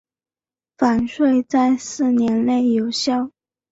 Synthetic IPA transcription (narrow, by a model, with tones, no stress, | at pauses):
fa˨˩nʂwe˥˧ɪt͡sa˥˧ɪsɹ̩˥˩njɛ˧˥nle˥˩ɪjo˨˩ʊɕjɑ˥˩ʊ